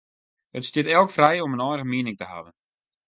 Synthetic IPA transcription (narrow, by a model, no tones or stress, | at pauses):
ətstɪtɛlˠkfrɛjɔmənɔjrəɣəmiənɪŋtəha̰vən